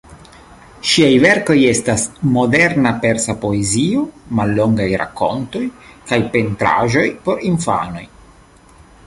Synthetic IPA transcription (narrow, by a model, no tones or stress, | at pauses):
ʃiajveɾko̞jestasmo̞de̞ɾnape̞ɾsapo̞ezio̞malːo̞ŋɡajɾa̰kːo̞̰nto̞jkajpe̞ntɾa̰ʒo̞jpo̞ɾinfa̰no̞j